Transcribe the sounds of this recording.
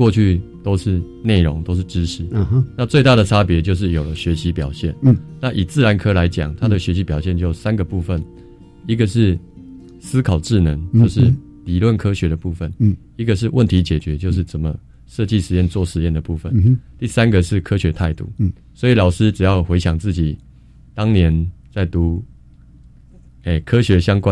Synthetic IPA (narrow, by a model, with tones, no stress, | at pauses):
wɔ˥˧t͡ɕʰy˥˧t̪o˥ʊʂɻ̩˥˧ | ne˥˩ɪɻɔ˧˦ŋt̪o˥ʊʂ̬ɻ̩˥˩ʈ͡ʂɻ̩˦ʂɻ̩˨˩˦na˥˧t͡swe˥˧ɪt̪a˥˩ɾə˩ʈ͡ʂʰa˦˥pjɛ˧˦t͡ɕjo˥˧ʊʂ̬ɻ̩˥˩jo˨˩ʊlə˦ɕɥɛ˧˥ɕi˧˥pjɑ˨˩ʊɕjɛ˥˨nna˥˩ʔi˨˩t͡sɹ̩˥˩˨la˧˦nkʰɤ˥la˧˦ɪt͡ɕja̰˨˩ŋt̪ʰa˦d̪ə˨ɕɥɛ˧˥ɕi˧˥pjɑ˨˩ʊɕ̬jɛ˥˧nt͡ɕjo˥˩˨sa˦nɡə˨pu˥˧fə˨n | i˦˥ɡə˨ʂɻ̩˥˩ | sɹ̩˥kʰɑ˨˩ʊʈ͡ʂɻ̩˥˩nə˧˦ŋt͡ɕo˥˧ʊʂɻ̩˥˨ | li˨˩lwə˥˨nkʰɤ˥ɕɥɛ˨˧˦d̪ə˨pu˥˩fə˨˩n | i˧˥ɡə˨ʂ̬ɻ̩˥˧wə˥˨nt̪ʰi˧˥t͡ɕjɛ˨˩t͡ɕɥɛ˨˦t͡ɕjo˥˧ʊʂ̬ɻ̩˥˩t͡sə˨˩nmə˦ | ʂɤ˥˧t͡ɕi˥˨ʂɻ̩˧˦jɛ˥˨nt͡swɔ˥˨˩ʂɻ̩˧˦jɛ˥˩nd̪ə˨˩pu˥˩fə˨nt̪i˥˩sa˦˥nɡə˨ʂɻ̩˥˩kʰɤ˥ɕɥɛ˨˧˥t̪ʰa˥˧ɪt̪ṵ˥˩ | swɔ˧˥i˨˩lɑ˨˩ʊʂɻ̩˥ʈ͡ʂɻ̩˨˩jɑ˥˩ʊxwe˧˥ɪɕjɑ˨˩ŋt͡sɹ̩˥˩t͡ɕi˨˩ | t̪ɑ˥ŋnjɛ˧˦nt͡sa˥˩ɪt̪u˨˦ | e˥˨˩kʰɤ˥ɕɥɛ˨˦ɕjɑ˥ŋkwa˦˥